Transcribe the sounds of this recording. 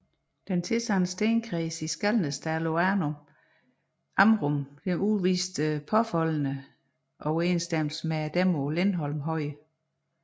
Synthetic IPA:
d̥ent͡sʰe̝sɑnəsd̥eːnkʰʁisisɡ̥ælnəsd̥æɐlo̝ænom | ʔɑmʁɔmd̥enuʋiːsd̥əpʰɒ̽fɒ̽l̰ənə | ʔɒʊe̝ːnsd̥eml̩səmeæd̥æmo̝lenɦɒ̽lmɦɒ̽ɪ̰

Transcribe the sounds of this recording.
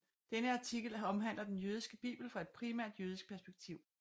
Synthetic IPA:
d̥enəɑ̈t͡sʰiɡ̥l̩ɒ̽mɦæn̰lɐd̥enjøːð̞ˠisɡ̥əb̥ḭːb̥l̩fɒ̽e̝d̥̚pʰʁimæ̰ɐ̰d̥jøːð̞ˠisɡ̥pʰæɐsb̥eɡ̥̚t͡sʰiʊ̰

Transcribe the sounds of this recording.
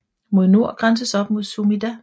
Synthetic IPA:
mo̝ð̞̰ˠno̝ɐ̰ɡ̥ʁans̬əsɒ̽b̥̚mo̝ð̞ˠsumidæ

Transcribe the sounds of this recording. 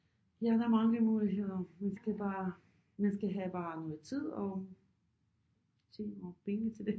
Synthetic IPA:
jæd̥ɑ̈æɐmɑ̈ŋəmuːliɦe̝ð̰ˠɐmænsɡ̥æb̥ɑ̈ː | mænsɡ̥æɦæb̥ɑ̈ːnɔ̽ːð̩ˠt͡sʰið̞̰ˠɒ̽ | se̝̰ːpʰeŋət͡sʰe̝ld̥e̝

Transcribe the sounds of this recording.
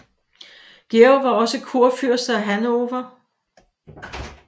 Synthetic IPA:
ɡ̥eoʋɑ̈ɒ̽səkʰuɐ̰fyɐ̰sd̥ɐæɦænoʋɐ

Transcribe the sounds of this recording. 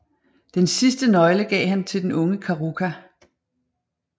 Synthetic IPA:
d̥ensisd̥ənɒ̽ɪləɡ̥ɛ̰ːɦænt͡sʰe̝ldenɔ̽ŋəkʰɑʁukʰæ

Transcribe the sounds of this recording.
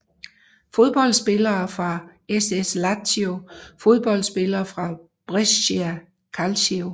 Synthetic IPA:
fo̝ð̞ˠb̥ɒ̽l̰sb̥e̝lɐːfʁɑ̈eseslæt͡sʰio̝fo̝ð̞ˠb̥ɒ̽l̰dsb̥e̝lɐːfʁɑ̈ | b̥ʁɛsiæ | kʰælsio

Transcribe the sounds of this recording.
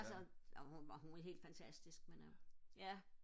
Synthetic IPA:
lsɒɒhuɒɦunæhe̝ːld̥fænt͡sʰæsd̥isɡ̥menæ

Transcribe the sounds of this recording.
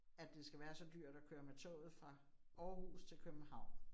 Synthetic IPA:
æd̥ːe̝sɡ̥æʋæːɐsɒ̽d̥yɐ̰d̥ɒkʰøːɐmet͡sʰɔ̰ːð̩ˠfʁɑ̈ | ɒːhṵːst͡sʰe̝lkʰøb̥n̩hɑ̈ʊ̰̃n

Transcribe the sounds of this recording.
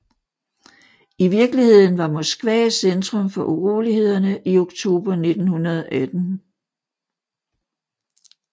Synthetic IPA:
iʋiɐɡ̥lihe̝ð̞̰ˠn̩ʋɑ̈mɔsɡ̥ʋɛ̰ːsend̥ʁɔ̽mfɒ̽ʔuʁṵːlihe̝ð̞̰ˠɐnəʔio̝ɡ̥t͡sʰo̝̰ːb̥ɐne̝d̥n̩hunɐð̞ˠɒ̽ʔæd̥n̩

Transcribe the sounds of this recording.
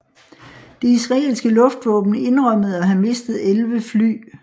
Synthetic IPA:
d̥e̝isʁɑ̈ḛːlsɡ̥əlɔ̽fd̥ʋɔ̰̽ːb̥n̩e̝nʁɶm̰əð̞̩ˠɒ̽ɦæme̝sd̥ð̞̩ˠelʋəfly̰ː

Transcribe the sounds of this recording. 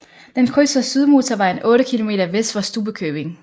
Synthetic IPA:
d̥enkʰʁysəsyð̞ˠmo̝ːt͡sʰɒʋɑ̈e̝nʔɔ̽ːɾəkʰilo̝me̝̰ːɾɐʋesd̥fɒsd̥uːb̥əkʰøːb̥e̝ŋ

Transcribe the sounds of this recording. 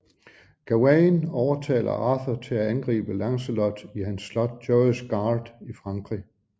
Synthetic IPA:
ɡ̥æænɒʊɐt͡sʰɛ̰ːlʔɐ̰ɑ̈θɐt͡sʰe̝læænɡ̥ʁḭːb̥əlɑ̈ŋsəlɒd̥ihænsːlɒ̽d̥̚dɒsɡ̥ɑ̈ːld̥ifʁɑ̈ŋɡ̥ʁi

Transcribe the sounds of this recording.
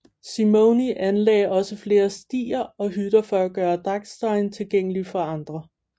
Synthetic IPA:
simoʊniʔænlɛ̰ːɪɒ̽səfle̝ːɐsd̥ḭːɐɒ̽ɦyd̥ɐfɒ̽æɡ̥ɶːɐd̥ʁɑ̈ɡ̥sd̥ɑ̈ɪnt͡sʰe̝lɡ̥eŋ̰əlifɒɑ̈nd̥ʁɐ

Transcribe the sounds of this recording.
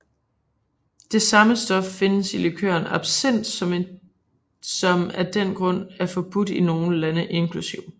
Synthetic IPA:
d̥e̝sɑ̈məsd̥ɒ̽fːe̝nəsilikʰø̰ɐnɑ̈b̥sen̰d̥ | sɒ̽mæd̥en̰ɡ̥ʁɔ̽n̰æɐfɒ̽b̥ud̥ino̝ːn̩lænəʔe̝nkʰlusiʊ̰

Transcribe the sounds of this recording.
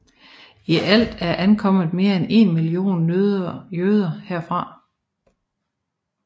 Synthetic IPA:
iʔæl̰d̥æɐʔænkʰɒ̽m̰ð̩ˠme̝ːɐene̝nmilio̝̰ːnːøðˠɐjøð̞ˠɐheɐ̰fʁɑ̈

